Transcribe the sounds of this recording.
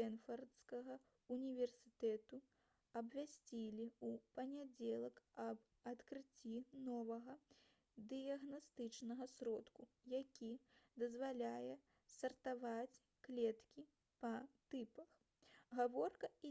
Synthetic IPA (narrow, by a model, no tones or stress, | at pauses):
ɛnfɐrt̪skɐɣɐ | unʲivʲɛrsʲɨt̪ɛt̪u | ɐbvʲasʲt͡sʲilʲiupɐnʲad͡zʲɛlˠɐkɐb | ɐt̪kɾɨt͡sʲːinɔvɐɣɐ | d̪ɨjɐɣnast̪ɨt͡ʂnɐɣɐsɾɔt̪ku | jakʲid̪ɐzvalʲajɛ | sɐrt̪avat͡sʲ | klʲɛt̪kʲi | pɐt̪ɨpɐx | ɣavɔrkɐi